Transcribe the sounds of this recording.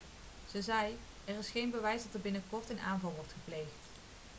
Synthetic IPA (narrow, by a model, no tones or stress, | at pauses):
z̥əzɛj | ɛrɪsχejnbəʋɛjzdɑtəɹbɪnəkɔɹtɪnʔa̰ːnvɑlˠʋɔɹtχəplejχt